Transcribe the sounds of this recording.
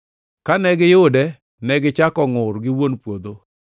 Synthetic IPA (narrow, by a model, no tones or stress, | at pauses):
kanɛɡɪjʊdɛ | nɛɡɪt͡ʃakɔŋʊɾɡɪwonpwod̪o